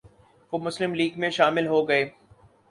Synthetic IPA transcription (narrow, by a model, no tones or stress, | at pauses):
ʋomʊslɪmliːɡmẽʃaːmɪlɦoɡɐeː